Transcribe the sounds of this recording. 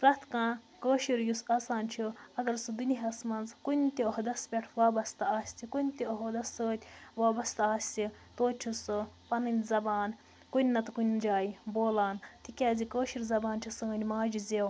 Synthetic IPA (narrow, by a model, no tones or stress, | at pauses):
pɾɐt̪kãː | kəːʃiɾjusaːsaːnt͡ʃʰuɐɡɐɾsɨd̪uniɦɐsmɐnzkunʲt̪ʲioɦd̪ɐspʲeʈʰʋaːbɐst̪aːsʲt̪ikunʲt̪ioɦod̪ɐsːəːt̪ʲʋaːbɐst̪aːsʲti | t̪oːt͡ʃʰusɨpɐnɐnʲzɐbaːn | kunʲːɐt̪kunʲd͡ʒaːjiboːlaːnt̪ʰikʲaːzikəːʃiɾzɐbaːnt͡ʃʲʰisə̃ːnʲmaːd͡ʒizew